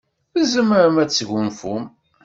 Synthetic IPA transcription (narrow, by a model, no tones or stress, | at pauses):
θəzəməɾəmæt͡sːʝʷunfum